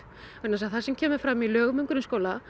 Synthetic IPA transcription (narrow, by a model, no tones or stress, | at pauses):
ʏnas̬aθasɛmcʰɛːmʏɾ̥fɾaːmilœːɣmʏŋkʏɾʏnskoːwla